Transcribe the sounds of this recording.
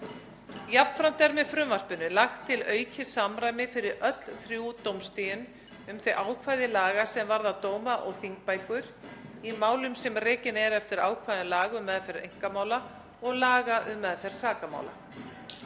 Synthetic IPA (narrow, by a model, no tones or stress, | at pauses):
japn̥fɾam̥t̪ɛɾmɛðfɾʏmvar̥pʏnːʏlaxt̪ʰːɪlœːɥcʰɪsamɾaːjmɪfɪɾɪɾʔœt̪l̥θɾjuːt̪owmst̪ɪjʏn | ʏmθejʔaːwkʰvajðɪlaːɣasɛmvaɾðawt̪oːwmaʔɔɣθiŋk̚pajkʏɾ̥imaːwlʏmsɛmrɛːcɪnɛɾɛft̪ɪɾaːwkʰvajðʏɪlaːɣʏmːɛðfɪɾɪɾḛjŋ̥kamaːwla | ɔɣlaːɣaʔʏmːɛðθɛɾ̥saːkama̰ːwla̰